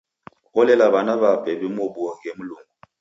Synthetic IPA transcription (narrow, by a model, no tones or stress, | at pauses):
ɔlɛlaβanaβapʼɛbɛmobuɔŋemuluːŋɡu